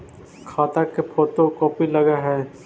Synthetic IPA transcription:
kʰaːt̪akepʰoːt̪õkɔːpilɐɡaɦɛː

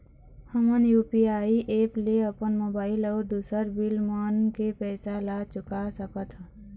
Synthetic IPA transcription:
həmənjuːpiaːiʔeːpleəpənmoːbaːɪlɔːd̪uːsəɾbɪlmaːnkepɛːsalat͡ʃʊkasəkət̪ʰ

